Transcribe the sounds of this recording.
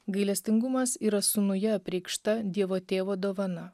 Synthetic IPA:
ɡɐɪlʲɛsʲt̪ʲɪŋɡʊmɐsiːɾɐsʊnʊjɛɐpʲɾʲɛɪkʃt̪ɐd̪ʲiɛʋoːt̪ʲeːʋoːd̪oːʋɐnɐ

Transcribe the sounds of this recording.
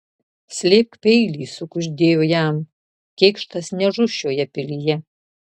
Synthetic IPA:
sʲlʲeːp̚kpʲɛɪlʲiːsʊkʊʒʲd̪ʲeːjoːjæm | kʲɛːkʃt̪ɐsnʲɛʒʊʃʲoːjɛpʲɪlʲijɛ

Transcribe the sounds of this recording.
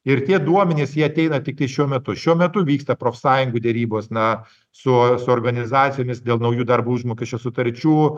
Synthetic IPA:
ɪɾt̪ʲiɛd̪uɔmʲɛnʲeːsjiɛɐt̪ʲɛɪnɐt̪ʲɪk̚t̪ɐɪʃʲuɔmʲɛt̪ʊʃʲuɔmʲɛt̪ʊʋʲiːkst̪ɐpɾoːfʲsɑːjʊŋɡuːd̪ʲɛɾʲiːboːsnɐ | sʊsʊoːrɡɐnʲɪzɑːt̪sʲɪjoːmʲɪsd̪ʲeːlˠnɐʊjuːd̪ɐɾbuuʒmoːkʲɛʃʲt͡ʃʲoːsʊt̪ɐɾʲt͡ʃʲuː

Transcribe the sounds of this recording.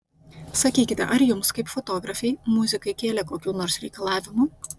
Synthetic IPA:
sɐkʲiːkʲɪt̪ʲɛ̰ʔɐɾjʊmskɐɪpfɔt̪oːɡɾɐfʲɛɪmʊzʲɪkɐɪkʲeːlʲɛkoːkʲuːnoːɾsɾʲɛɪkɐlˠɑːʋʲɪmu

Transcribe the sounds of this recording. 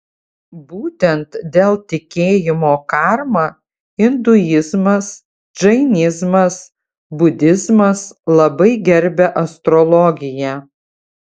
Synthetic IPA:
buːt̪ʲɛnt̪d̪ʲeːlˠt̪ʲɪkʲeːjɪmoːkɑɾmɑː | ɪnd̪ʊjɪzmɐs | ʒɐɪnʲɪzmɐs | bʊd̪ʲɪzmɐslˠɐbɐɪɡʲɛɾʲbʲɛʔɐst̪ɾɔlˠɔɡʲɪjæ

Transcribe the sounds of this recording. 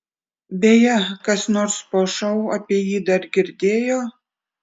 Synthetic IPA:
bʲejɛkɐsnoːɾspoːʃɐʊɐpʲiɛjiːd̪ɐɾɡʲɪɾʲd̪ʲeːjoː

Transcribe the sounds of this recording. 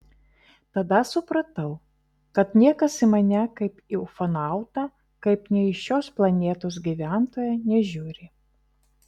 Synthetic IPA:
t̪ɐd̪ɐsʊpɾɐt̪ɐʊ | kɐt̪nʲiɛkɐsɪmɐnʲɛkɐɪpɪʊfɐnɑˑʊt̪ɑ | kɐɪpnʲɛɪʃʲoːsplˠɐnʲeːt̪oːs̬ɡʲiʋʲæˑnt̪oːjɛnʲɛʒʲʊːɾʲɪ

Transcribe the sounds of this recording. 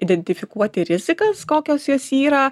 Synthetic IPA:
ɪd̪ʲɛnʲt̪ʲɪfʲɪkuɔt̪ʲɪɾʲɪzʲɪkɐskoːkʲoːsjoːsiːɾɐ

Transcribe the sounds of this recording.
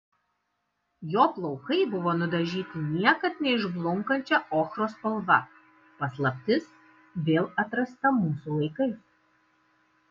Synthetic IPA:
joːplˠɒʊkɐɪbʊʋoːnʊd̪ɐʒʲiːt̪ʲɪnʲiɛkɐt̪nʲɛɪʒblˠʊŋkɐnʲt͡ʃʲɛʔoːxɾoːspɐlˠʋɐ | pɐslˠɐpʲt̪ʲɪs | ʋʲeːlˠɐt̪ɾɐst̪ɐmuːsulˠɐɪkɐɪs

